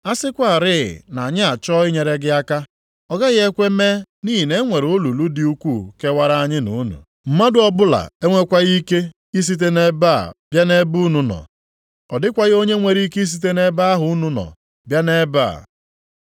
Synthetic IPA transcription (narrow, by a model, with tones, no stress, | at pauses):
a˦sɪ˦kʷa˨a˨ɾɪ̰˦˨na˨a˨ɲɪ˦a˨t͡ʃɔ˦ɪ˦ɲe˨ɾe˦ɡɪ˦a˦ka˦ | ɔ˦ɡa˦ɣɪ˦e˦kʷe˦me˦ni˦ɦi˨ne˦ŋʷe˨ɾo˦lu˨lu˦di˦u˦kʷu˦˨ke˦wa˦ɾa˦a˦ɲɪ˦nu˨˦nṵ˨ | m̩˦ma˦dʊ˦ɔ˦bʊ˦la̰˨e˦ŋʷe˦kʷa˦ɣi˦ke˦ | i˦s̬i˦t̬e˦ne˦ba̰˦˨b̥ja˦ne˦bu˦nu˨nɔ̰˨ | ɔ˨dɪ˦kʷa˦ɣɪ˦o˦ɲe˦ŋʷe˨ɾi˦ke˦i˦s̬i˦t̬e˦ne˦ba˦a˦ɦʊ˨ʊ˦nu˦nɔ̰˨ | bja˦ne˦ba̰˦˨